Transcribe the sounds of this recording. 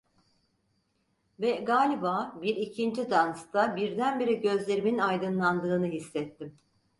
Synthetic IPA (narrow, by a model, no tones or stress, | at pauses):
vɛɡaːlʲibaːbiɾicʰind͡ʒid̪anst̪abiɾd̪ænbeɾiɟø̞zlʲe̞ɾiminajd̪ɯnlˠand̪ɯːnɯɦisːɛt̪ːim